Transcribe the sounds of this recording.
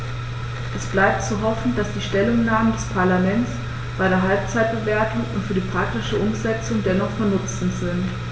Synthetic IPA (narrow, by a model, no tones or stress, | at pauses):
ʔɛsb̥laɪp̚tt͡suɦɔfn̩d̥asd̥iːʃtɛlʊŋnaːməndɛspʰaɐlamɛnt͡s | b̥aɪɾeːɐɦalp̚t͡saɪt̚b̥əveːɐtʊŋʊntfyːɐdiːpʁ̥ak̚tɪʃəʔʊmzɛt͡sʊŋdɛnɔχfɔɐnʊt͡sn̩tz̥ɪnt